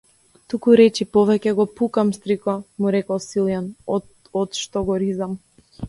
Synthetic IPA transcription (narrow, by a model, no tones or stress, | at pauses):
t̪ukuɾɛt͡ʃipɔvɛcɛɡɔpukamst̪ɾikɔmuɾɛkɔsilˠjanɔ | ɔt̪ʃt̪ɔɡɔɾizam